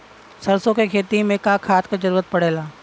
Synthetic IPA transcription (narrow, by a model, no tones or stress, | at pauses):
sɐɾsõkekʰeːt̪imẽkaːkʰaːt̪kad͡ʒəɾuːɾət̪̚pɐɽeːlaː